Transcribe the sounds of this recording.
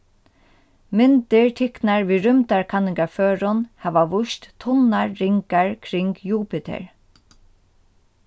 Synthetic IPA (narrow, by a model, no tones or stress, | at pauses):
mɪnt̪ɪɹt̪ʰɪknaɹʋiːɾʏmt̪aɹkʰanɪŋkaføːɹʊnhaːʋaʋʊʃt̪t̪ʰʊnːaɹːɪŋkaɹkʰɾɪŋkjuːpɪt̪ʰɛ̰ɹ